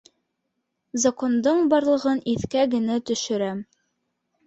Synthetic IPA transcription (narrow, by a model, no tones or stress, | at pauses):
zɐko̞nd̪ɤɴbɑɾlˠɤ̆ʁɤniθkæɡɘ̆næt̪ɵ̆ʃɵ̆ɾæm